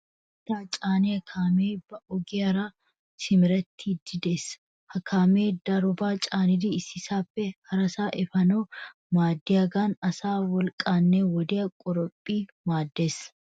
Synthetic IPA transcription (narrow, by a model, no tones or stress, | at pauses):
ʔɐt̪ːaːt͡ʃʼaːneɐkʰaːmeːbɐʔɔɡeɐɾaː | sɪmɪɾɐt̪ːid̪ɪd̪eːs | hɐkʰaːmeːd̪ɐɾɔbaːt͡ʃʼaːnɪd̪iɪsɪsaːfɛhɐɾɐsaːʔɛfɐnoː | maːd̪ːɪɐɡaːnɐsaːwɔlkʼaːnːeːwɔd̪ɪɐkʼʊɾɔpʼːiːmaːd̪ːeːs